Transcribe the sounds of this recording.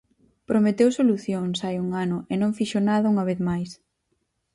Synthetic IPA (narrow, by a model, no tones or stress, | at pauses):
pɾomet̪ewsoluθjoŋsajuŋanʊʔenõŋfiʃonaðɐuŋɐβ̞eθmajs